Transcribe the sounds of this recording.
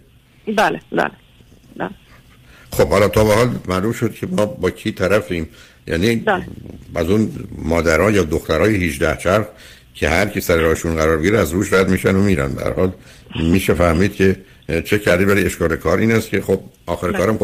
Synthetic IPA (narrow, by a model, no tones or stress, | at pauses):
bæːlebæ̰le | bæ̰ːl | xob̥hɒlɒːt̪ʰɒːbehɒːlmælumʃod̪̥cʰe̞mɒːbɒːcʰiːt̪ʰæɾæfiːm | jʔæ̰ːni | æzunmɒːd̪æɾɒːjɒːd̪oxt̪æɾɒːjehiʒd̪æht͡ʃʰæɾχ | cʰe̞hæɾkʰisæɾeɾɒːheʃunɡæɾɒːɾbeiɾeæzɾuːʃɾæd̪miːʃænomiːɾæ̰nbḛhæ̰ɾhɒːl | miːʃefæhmiːd̪̥cʰe̞ | t͡ʃʰe̞cʰæɾd̪iːvæɾe̞ʃkɒːle̞kʰɒːɾʔiːnæst̪cʰe̞xob̚ʔɒːxeɾekɒːɾæm